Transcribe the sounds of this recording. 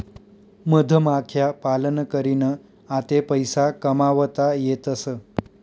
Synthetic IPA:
məd̪ʱəmakʰjapalənkəɾinə | at̪epəjsakəmaʋət̪ajet̪əsə

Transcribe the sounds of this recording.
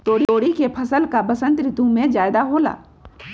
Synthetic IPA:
t̪oːɽioːɽikepʰɐsəlkabəsə̃nt̪ɾɪt̪ũmẽd͡ʒaːjd̪aɦoːla̰ː

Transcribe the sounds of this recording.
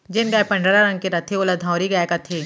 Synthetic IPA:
d͡ʒɪnɡaːjpɐ̃ɳɖəɾaɾɐ̃ŋɡkiɾɐt̪ʰiolad̪ʱãːɾiɡaːkɐt̪ʰiː

